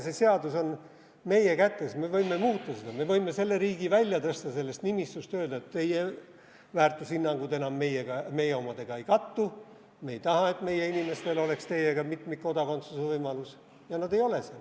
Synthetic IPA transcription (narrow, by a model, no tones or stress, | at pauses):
se̞se̞ɑd̪̥uso̞n | me̞je̞kæt̪ːˑe̞sme̞vɤjmːe̞muːt̪ˑːɑse̞d̪̥ɑme̞vɤjmːe̞se̞lːeɾiːɡ̥ivælʲjɑt̪ɤst̪ɑse̞lːe̞st̪nimist̪ust̪ø̞ːld̪ɑet̪t̪ːe̞je | væːrt̪ːˑushinːɑŋɡ̥ut̪enɑmːe̞jeɡ̥ɑme̞jeo̞mɑd̪̥e̞ɡ̥ɑe̞jkɑt̪ːu | meejt̪ɑɦɑe̞t̪me̞je̞inime̞st̪e̞lo̞le̞kst̪e̞jeɡ̥ɑmit̪mit̪̚ko̞d̪ɑko̞nt̪susevɤjmɑlus | jɑnɑd̪e̞jo̞le̞se